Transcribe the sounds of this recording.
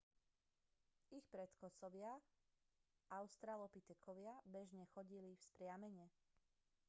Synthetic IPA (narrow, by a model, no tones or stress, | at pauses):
ixpɾɛt̪kɔsɔʋɪa | ʔaʊst̪ɾaːlɔpit̪ɛkʰɔʋɪabɛʒɲɛxɔɟilifspɾɪamɛɲɛ